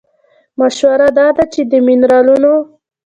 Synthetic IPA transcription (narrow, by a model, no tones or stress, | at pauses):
maʃwaɾad̪ɑd̪at͡ʃed̪əmɪnɾɑluno